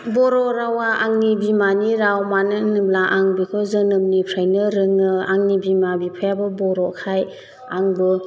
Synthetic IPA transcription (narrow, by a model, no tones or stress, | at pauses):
bɔɾɔɾawaʔaŋnibimaniɾawmanɯnɯmlaʔaŋbikʰɯzɯnɯmnipʰɾajnɯɾɯŋnɯaŋnibimabipʰɯjabɯbɔɾɔkʰaj | aŋbɯ